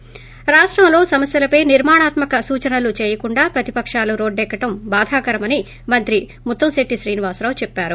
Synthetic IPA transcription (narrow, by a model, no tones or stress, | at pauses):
ɾaːʂʈɾɐmlo̞ːsɐmɐsjɐlɐpɐjniɾmaːɳaːt̪mɐkɐsuːt͡ʃɐnɐlut͡ʃeːjɐkuɳɖaːpɾɐt̪ipɐkʂaːluɾo̞ːɖːɛːkːɐʈɐmbaːd̪ʱaːkɐɾɐmɐni | mɐnt̪ɾi | mut̪ːɐmseʈːiʃɾiːniʋaːsɾaːwut͡ʃɛpːaːɾu